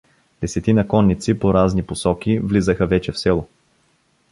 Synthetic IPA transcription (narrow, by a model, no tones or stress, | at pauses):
d̪ɛsɛt̪inɐkɔnːit̪sipoɾazniposɔk̟ʲivlizəxəvɛt͡ʃɛfsɛlˠʊ